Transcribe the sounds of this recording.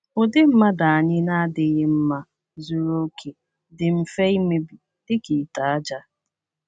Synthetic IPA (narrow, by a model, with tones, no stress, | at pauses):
ʊ˨dɪ˦m̩˦ma˦da˨a˨ɲɪ˦na˦a˦dɪ˨ɣɪ˦m̩˦ma˦ | zu˦ɾo˦kʰe˨ | dɪ˨m̩˨fe˦i˦me˦bi˨ | dɪ˦ki˨ta˨a˦d͡ʒa˦